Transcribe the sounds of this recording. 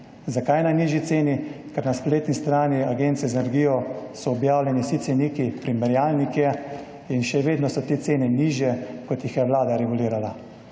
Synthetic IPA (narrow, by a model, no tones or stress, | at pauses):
zakajnaniːʒit̪seːnikɛɾnaspleːt̪nist̪ɾaːniaɡeːnt̪sɛzɛnɛɾɡiːjɔsɔːbjaːwlʲjɛnisit̪sɛniːkipɾimɛɾjaːlnikɛ | inʃɛʋeːd̪nɔsɔt̪eːt̪seːnɛniʒjɛkɔt̪jixjɛʋlaːd̪aɾɛɡuliːɾala